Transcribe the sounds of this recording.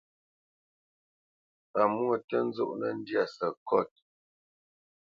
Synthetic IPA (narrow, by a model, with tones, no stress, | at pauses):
a˨mu˦ə˦˨tə˦n̩˦zɔ̰˦˨ʔnə˨n̩˦dja˦˨sə˨kɔ˦˨t̚